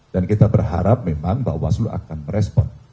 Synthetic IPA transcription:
d̥ankit̪abərha̰ɾap̚memaŋbaʔwaslua̰kanməɾɛspɔn

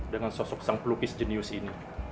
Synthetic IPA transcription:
dəŋansɔsɔk̚saŋplukɪsd͡ʒəniʊsini

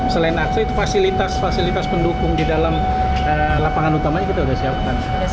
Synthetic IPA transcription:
səlaɪnaksait̪ufasilit̪asfasilit̪aspəndukʊŋdidalam | əlapaŋanut̪amaɲakit̪audahsiap̚kan

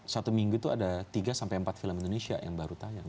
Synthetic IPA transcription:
sat̪umiŋɡut̪uadat̪iɡasampajəmpat̪̚filəmindonesia̰ja̰ŋbaɾut̪aja

